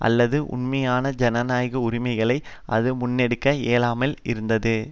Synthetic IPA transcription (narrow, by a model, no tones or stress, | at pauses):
ʔɐ̰lːɐðɯʔʊ̰ɳmɐjaːnɐd͡ʒɛnɐnaːjɣɐʊɾɪmɐɪɣɐɭɐɪ | ʔɐ̰ðɯmʊnːɛɽɯkːɐeːlaːmɐlɪ̰ɾɯnd̪ɐðɯ